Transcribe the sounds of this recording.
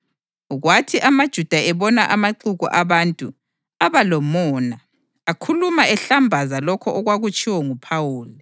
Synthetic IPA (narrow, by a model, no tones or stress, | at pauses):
ɣwatʰiʔamad̥ʒ̥ʱud̥ʱaɛβɔnaʔamaǃuɣṵʔaβantʼu | aβalɔmɔːna | akʰulumaɛɬambʱazalɔkʰɔʔɔɣwaɣut͡ʃʼiwɔŋupʰawuːli